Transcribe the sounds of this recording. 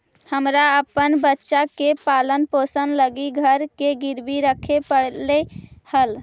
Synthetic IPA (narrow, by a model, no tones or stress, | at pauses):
həmɾaəpːənbətːʃakepalənposənləɡiɡʱəɾkeɡiɾbiɾəkʰepəɽlehəl